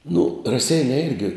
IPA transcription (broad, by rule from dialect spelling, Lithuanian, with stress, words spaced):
nʊ rɐˈsʲɛɪnʲɛɪ ˈɪrʲɡʲɪ